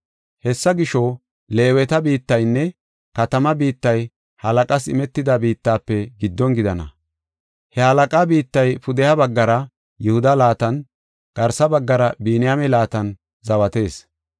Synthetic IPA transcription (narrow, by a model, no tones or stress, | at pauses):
hɛsːɐɡɪʃɔ | le̞ːwɛt̪ɐbiːt̪ːɐjnːɛ | kɐt̪ɐmɐbiːt̪ːɐj | hɐlɐkʼɐsɪmɛt̪ːɪd̪ɐbiːt̪ːaːpːɛɡɪd̪ːɔnɡɪd̪ɐnɐ̰ | hɛhɐlɐkʼabiːt̪ːɐjpʊd̪ɛjɐbɐɡːɐɾɐ | jʊhʊd̪ɐlaːt̪ɐn | ɡ̥ɐɾsɐbɐɡːɐɾɐbiːnɪjamɛlaːt̪ɐn | zɐwɐt̪e̞ːs